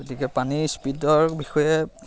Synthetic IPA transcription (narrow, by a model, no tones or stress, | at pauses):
otikɛpanispidɔɹbixɔjɛ